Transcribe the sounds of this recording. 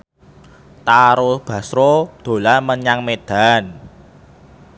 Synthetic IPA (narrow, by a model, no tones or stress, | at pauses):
t̪aɾʊb̥ä̤sɾod̪̥o̤laməɲaŋmed̪̥a̤n